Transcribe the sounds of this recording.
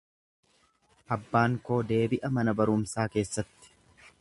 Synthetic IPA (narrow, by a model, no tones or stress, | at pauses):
ʔɐbːaːŋko̞ːd̪e̞ːbɪʔɐmɐnɐbɐɾʊmsaːke̞ːsːɐt̪ːɪ̥